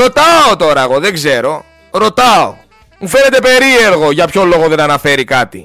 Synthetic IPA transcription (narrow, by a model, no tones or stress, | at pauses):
ot̪ɐot̪o̞ɾɐeɣo̞ðe̞ɡze̞ɾo̞ | ɾo̞t̪ɐo̰ | mufe̞ne̞t̪e̞pe̞ɾie̞ɾɣo̞ʝɐpço̞lo̞ɣo̞ðe̞nɐnɐfe̞ɾikɐt̪i